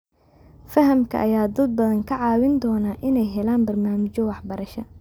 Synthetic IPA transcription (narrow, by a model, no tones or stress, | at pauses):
fɐɦɐmkʰɐ̰ʔɐ̰jaːd̪ɐd̪̚bɐðɐŋkʰɐʕɑːwɪnd̪ɔːnaʔɪnɛjɦɛlaːnbɐrnaːmɪt͡ʃɔwɑħbɐɾɐʃɐ